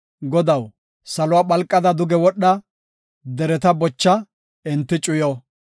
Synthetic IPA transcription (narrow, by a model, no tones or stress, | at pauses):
ɡɔd̪ɐw | sɐlʊwaːɓɐlkʼːɐd̪ɐd̪ʊɡɛwɔɗːɐ | d̪ɛɾɛt̪ɐbɔt͡ʃːɐ | ɪnt̪ːɪt͡ʃʼʊjoː